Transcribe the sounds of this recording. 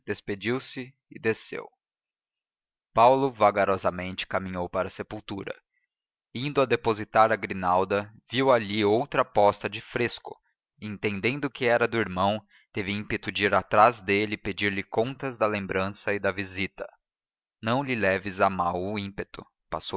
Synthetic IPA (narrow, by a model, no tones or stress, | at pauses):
d̪̥esped͡ʒiwsɪ | ɪd̪esḛw | pawlʊvaɡaɾɔzɐmẽnt͡ʃɪ̥kamĩɲowpaɾɐsepuwt̪uɾɐ̰ | ĩnd̪ʊɐd̪epozit̪aɾɐɡɾinawd̪ɐviwaʎiowt̪ɾɐpɔst̪ɐd͡ʒɪfɾeskʊ̥ | ẽnt̪ẽnd̪ẽnd̪ʊkɪɛɾɐd̪ʊiɾmɐ̃w̃ | t̪evɪĩpet̪ʊd͡ʒiɾat̪ɾazd̪elɪped͡ʒiɾlɪkõt̪ɐzd̪ɐlẽmbɾɐ̃sɐid̪ɐvizit̪ɐ̥ | nɐ̃w̃lɪlɛvɪzamawʊĩmpet̪ʊ̥ | pa̰sow